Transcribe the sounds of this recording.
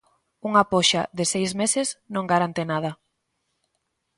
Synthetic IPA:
uŋapɔʃa̰ðɪsejzmesɪsnõŋɡaɾant̪enað̞ɐ

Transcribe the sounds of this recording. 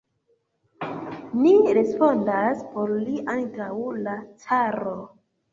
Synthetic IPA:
niɾe̞spo̞ndaspo̞ɾliʔantawlat͡saɾo

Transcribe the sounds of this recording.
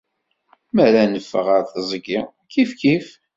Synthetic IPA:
mæɾænəfːə̰ʁəɾθəzˤɡi | kifkif

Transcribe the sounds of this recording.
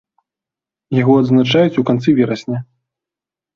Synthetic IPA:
jaɣɔɐd̪znat͡ʂajut͡sʲukant̪sɨvʲɛɾɐsʲnʲɐ

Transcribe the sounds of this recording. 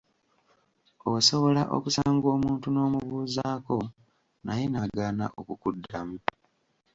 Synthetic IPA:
oso̞βo̞laʔo̰kusaːŋɡo̞ːmuːntuno̞ːmuβuːzaːko̞ | najenaɡaːna̰ʔo̞kukudːamu

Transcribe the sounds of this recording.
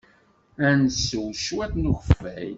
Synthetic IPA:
ænsːəwʃwæθnuxəfæj

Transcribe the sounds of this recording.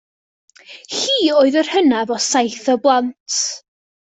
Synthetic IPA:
hiːoːɨðər̥hənavɔsajθɔblˠantʰ

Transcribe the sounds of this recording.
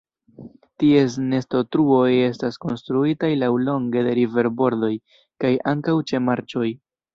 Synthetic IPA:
tie̞s̬ne̞sto̞tɾuo̞je̞stasko̞nstɾuitajlawlo̞ŋɡe̞de̞ɾive̞ɾbo̞ɾdo̞j | kajʔaŋkawt͡ʃe̞maɾt͡ʃo̞j

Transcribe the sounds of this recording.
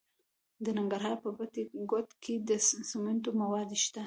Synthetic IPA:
d̪ənaŋɡaɾɦɑɾpəbət̪eɡot̪kʰed̪əsament̪omawɑd̪iʃt̪a

